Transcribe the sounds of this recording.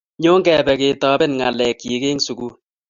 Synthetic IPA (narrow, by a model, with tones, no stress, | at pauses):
ɲo˦ŋɡɛ˨bɛ˨keː˨tɔː˦bɪ˦nŋa˨lɛ˨kji˨ke˦ŋsu˨ku˦